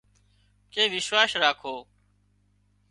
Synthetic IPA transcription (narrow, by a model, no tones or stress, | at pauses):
keːʋɪʃwaːsɾaːkʰoː